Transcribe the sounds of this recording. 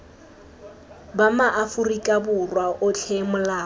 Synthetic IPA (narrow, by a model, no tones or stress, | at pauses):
bamaʔafʊrikʼabʊrwaʔʊt͡ɬʰemʊlaː